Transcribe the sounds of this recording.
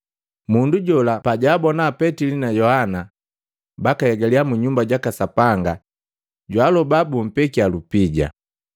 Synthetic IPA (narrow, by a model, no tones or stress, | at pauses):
munduɟɔlapaɟaːbɔnaːpɛtilinajɔhana | bakahɛɡaliamuɲumbaɟakasapaŋɡa | ɟwalɔbabum̩pɛkialupiɟa̰